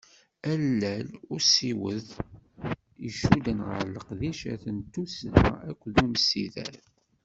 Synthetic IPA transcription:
ælːælʊɾsiwəð | iʃud̪ənʁə̰ɾləqðiʃæ̰θənt̪ːusðæ̰ækʷːðumsiðæ̰ɾ

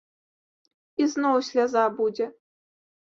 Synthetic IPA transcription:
iznowsʲlʲazɑbud͡zʲɛ

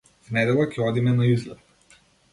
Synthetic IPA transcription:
vnɛd̪ɛlˠakʰʲɛɔd̪imɛnaizlɛp

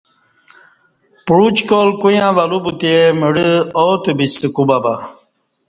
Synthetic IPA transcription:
puɽut͡ɕkolkujãʋalubut̪eməɽəot̪ebisɨkubaba

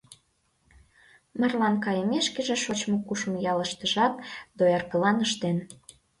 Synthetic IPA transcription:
mə̆rlɑnkɑjə̆meʃkĕʒĕʃot͡ɕmokuʃmojɑləʃt̪əʒɑk̚d̪ojɑrkəlɑnəʃt̪en

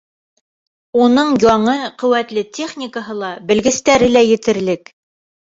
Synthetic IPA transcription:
unɤɴjɒɴɤqɵ̆wæt̪lɘtʲʰe̞χnʲikəɦɤlˠɑbɘ̆lɡɘ̆st̪æɾɘlæjɘ̆t̪ɘ̆ɾlɘk

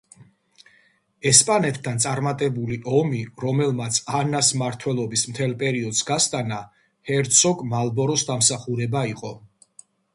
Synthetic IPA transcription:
ɛspʼanɛt̪ʰd̪ant̪sʼaɾmat̪ʼɛbuliʔɔmiɾɔmɛlˠmat̪sʰanasmaɾt̪ʰwɛlˠɔbismt̪ʰɛlˠpʼɛɾiɔd̪sɡast̪ʼana | hɛɾt̪sʰɔɡmalˠbɔɾɔsd̪amsaχuɾɛbaiqʼɔ

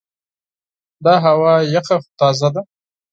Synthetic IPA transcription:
d̪ɑɦawɑjaqaxt̪ɑzad̪a

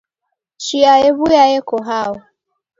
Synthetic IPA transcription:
t͡ʃiaɛβujaɛkɔɦawɔ

